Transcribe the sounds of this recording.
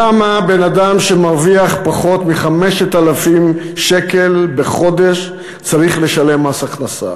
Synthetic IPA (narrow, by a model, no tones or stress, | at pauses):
amabe̞nadamʃe̞maʁviaχpaχo̞t̪miχameʃet̪alafim | ʃeke̞lbe̞χo̞d̪e̞ʃ | t͡saʁiχle̞ʃale̞masaχnasa̰